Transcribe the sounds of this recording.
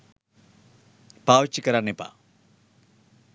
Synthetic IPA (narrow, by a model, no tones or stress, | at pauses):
paːʋit͡ʃːikɐɾanipa̰